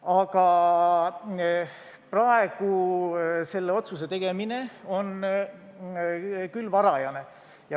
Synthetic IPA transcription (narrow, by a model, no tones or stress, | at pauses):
ɑɡ̥ɑ | prɑe̞ɡ̥u | se̞lːeo̞t̪suse̞t̪e̞ɡ̥e̞mine̞o̞n | kylːvɑɾɑjɑne̞ | jɑ